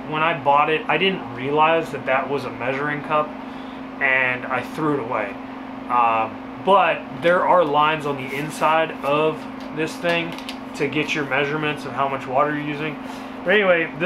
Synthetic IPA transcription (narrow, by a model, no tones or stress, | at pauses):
wə̃ñaɪbɔɾɪɾaɪdɪdⁿn̩t̚ɹiɨlaɪzðɨt̪̚ðɨʔ̚wʌzəmɛʒə˞ɪ̃ŋkʰʌp̚ | ɨ̃na̰ɪθɹʉɨɾəweɪ | b̥ʌt̪̚ðə˞ʔə˞lãɪ̃nzn̩ðiɪ̃nsaɪɾʌv | ðɪsθɪ̃ŋ | tʰɨɡɛt͡ʃə˞mɛʒə˞mɨ̃ntsʌ̃vɦaʊmʌt͡ʃwɔɾə˞jɨjʉzɪ̃ŋ | b̥ʌɾɛniweɪð